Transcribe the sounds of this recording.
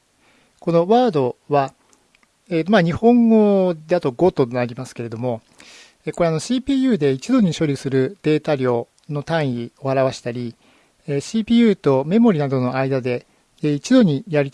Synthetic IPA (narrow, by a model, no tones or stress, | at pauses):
ko̞no̞βaːd̪o̞βa | eːt̪omaɲ̟ihõ̞ŋɡo̞d̪e̞at̪o̞ɡo̞t̪o̞naɾʲimasɨ̥ke̞ɾe̞d̪o̞mo̞ | eko̞ɾe̞ano̞ɕiːpʲiːjɯ̟ːd̪e̞it͡ɕid̪o̞ɲ̟iɕo̞ɾʲɯsɨɾɯ̟d̪̥e̞ːt̪aɾʲjo̞ː | no̞t̪ãɰ̃io̞haɾaβaɕi̥t̪aɾʲi | eɕiːpʲiːjɯ̟ːt̪o̞me̞moɾʲinad̪o̞no̞aid̪ad̪e̞ | it͡ɕid̪o̞ɲ̟ijaɾit̪